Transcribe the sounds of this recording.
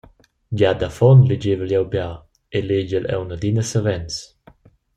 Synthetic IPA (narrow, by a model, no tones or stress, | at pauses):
d͡ʒad̪afɔnled͡ʒevəljɛwbja | eled͡ʒəlɛ̰wnəd̪inəsəvɛns